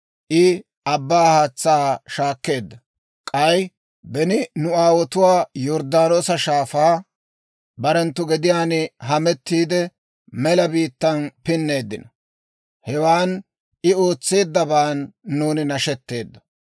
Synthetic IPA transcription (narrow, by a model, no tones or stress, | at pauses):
ʔɪ | ɐbːaːhaːt͡sːaːʃaːkːe̞ːd̪ːɐ | kʼɐj | bɛnɪnʊaːwɔt̪ʊwaːjɔɾd̪aːnoːsɐʃaːfaː | bɐɾɛnt̪ːʊɡɛd̪ɪjaːnɪɦɐmɛt̪ːiːd̪ɛ | mɛlɐbiːt̪ːɐnpɪnːe̞ːd̪ːɪnɐ | hɛwaːn | ʔɪo̞ːt͡sːe̞ːd̪ːɐbaːnːuːnɪnɐʃɛt̪ːe̞ːd̪ːɐ